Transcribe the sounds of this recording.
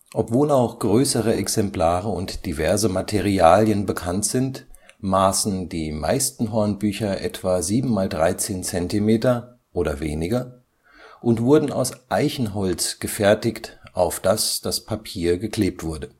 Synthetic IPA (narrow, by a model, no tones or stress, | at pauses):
ʔɔpv̥oːlaʊxɡ̥ʁøːsəʁəʔɛksɛmplaːʁəʊntd̥ivɛɐzəmatʰeʁiaːljənbəkʰantz̥ɪnt | maːsn̩diːmaɪstn̩ɦɔɐnbyːçɐʔɛtv̥aziːbm̩maːldʁaɪt͡seːnt͡sɛntimeːtɐ | ʔoːɾɐ̰veːnɪɡɐ | ʔʊntv̥ʊɐdn̩a̰ʊsʔaɪçn̩ɦɔlt͡sɡ̥əfɛɐtɪçtʔaʊfd̥asd̥aspʰapʰiːɐɡəkl̥eːp̚tv̥ʊɐdə